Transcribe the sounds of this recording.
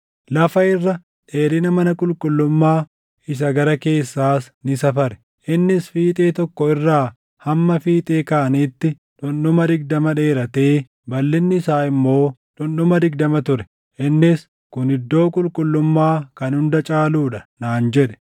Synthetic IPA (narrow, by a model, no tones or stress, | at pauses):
lɐfɐɪrːɐ | ᶑe̞ːɾɪnɐmɐnɐkʼʊlkʼʊlːʊmːaː | ɪs̬ɐɡɐɾɐke̞ːsːaːs | nɪsɐfɐɾɛ̥ | ʔɪnːɪsfiːt̪ʼe̞ːt̪ɔkːɔɪrːaː | hɐmːɐfiːt̪ʼeːkɐʔɐniːt̪ːɪ | ᶑʊnɗʊmɐd̪ɪɡ̚d̪ɐmɐᶑe̞ːɾɐt̪e̞ː | bɐlːɪnːɪɪsaːɪmːo̞ːᶑʊnɗʊmɐd̪ɪɡd̪ɐmɐt̪ʊɾɛ̥ | ʔɪnːɪs | kʊnɪd̪ːo̞ːkʼʊlkʼʊlːʊmːaːkɐnhʊnd̪ɐt͡ʃʼaːluːᶑɐnaːnd͡ʒɛᶑɛ̥